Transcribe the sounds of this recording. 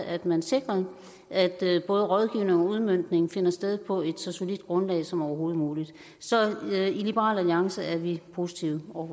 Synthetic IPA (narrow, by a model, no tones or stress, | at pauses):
ʔæd̥mænse̝ɡ̥ʁɐ | ʔæd̥b̥ɔ̽ːð̞ˠəʁɒ̽ð̞ˠɡ̥iʊne̝ŋɒ̽uðˠmøn̰d̥ne̝ŋn̩fe̝nɐsd̥eð̞ˠpʰɒ̽e̝d̥sɒso̝lid̥ɡ̥ʁɔ̽nlɛ̰ːɪsɒ̽mɒʊɐɦo̝ːð̞̩ˠmuːlid̥ | sɒ̽ilib̥eʁɑ̰̈ːlæliɑ̈ŋsəæɐʋipʰo̝ːsi̥t͡sʰiʊ̰ɒ